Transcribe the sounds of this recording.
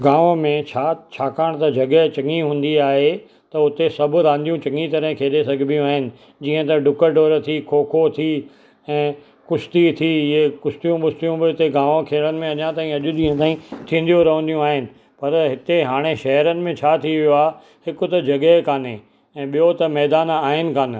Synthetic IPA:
ɡãːʋõmẽt͡ɕʰaːt͡ɕʰaːkaːɽ̃t̪ɐd͡ʑɐɠət͡ɕɐŋiɦũːn̆d̪iaːɦe | t̪ɐʊt̪esɐbʱʊɾãːnd̪ijũt͡ɕɐŋit̪ɐɾəɦɪ̃kʰeːɗesɐɡʱɪbɪjũaːɦɪnɪ̆ | d͡ʑiːə̃t̪ɐɖʊkəɖoːɾt̪ʰikʰoːkʰot̪ʰiː | ɛ̃ː | kʊst̪it̪ʰiɪɦekʊst̪ijũɓʊst̪ijũbɪʊt̪eɡãːʋõkʰeːɭənɪ̆mẽɐɲãt̪aːĩɐʄʊʄĩːə̃t̪aːĩt̪ʰĩːn̆d̪ijoɾɐɦə̃nd̪ijũaːɦɪnɪ̆ | pɐɾɦɪt̪eɦaːɽ̃eʃɐɦɾənɪ̆mẽt͡ɕʰaːt̪ʰiʋijoaːɦe | hɪkʊ̆t̪ɐd͡ʑɐɡɛkaːne | ɛ̃ːɓijot̪ɐmɛːd̪aːnaːɦɪnɪ̆kaːn̆

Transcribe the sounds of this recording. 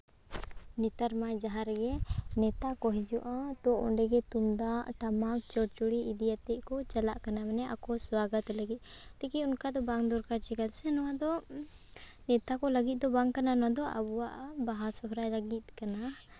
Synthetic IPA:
nɛt̪aɾmajd͡ʒaɦaɾɡɛnɛt̪akɔɦid͡ʒuʔãt̪ɔʔɔ̰ɳɖɛɡɛt̪umd̪aʔʈamat͡ʃɔɽt͡ʃɔɽiid̪ijat̪ɛʔkɔt͡ʃalaʔkanamɛnɛʔa̰kɔswaɡət̪ləɡit̪̚ˀt̪ɛkiunkad̪ɔbaŋd̪ɔɾkaɾt͡ʃɛkalsɛnɔwad̪ɔ | nɛt̪akɔləɡit̪̚ˀd̪ɔbaŋkananɔwad̪ɔʔa̰buwaʔabaɦasɔɦɾajlaɡit̪̚kana

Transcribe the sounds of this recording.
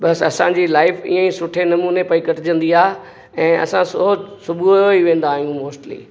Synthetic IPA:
bɐsɐsãɲd͡ʑilaːɪfḭːə̃ĩsʊʈʰenɐmuːnepɐikəʈʰɪd͡ʑə̃nd̪iaː | ɛ̃ːɐ̰sãsʊɦosʊbʱuoiʋẽːn̆d̪aːɦijũmoːsʈlḭː

